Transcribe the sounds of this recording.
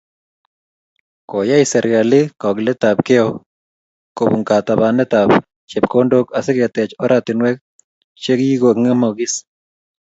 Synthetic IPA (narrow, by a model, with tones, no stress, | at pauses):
kɔ˨ja˦ɪsɛ˨ɾɪɡa˨lɪkɔ˨ɡlɛ˦t̪abkɛ˦ɔ | ko˨bu˨ŋka˨t̪a˨ba˨nɛ˦t̪a˨b | t͡ʃɛ˨bko˦ndo˦ka˨sɪ˦ɡɛ˨t̪ɛ˨t͡ʃɔ˦ɾat̪ɪ˨nwɛ˦k̚ | t͡ʃe˦kji˦ɡo˨ŋa˦mo˨ɡɪ˦s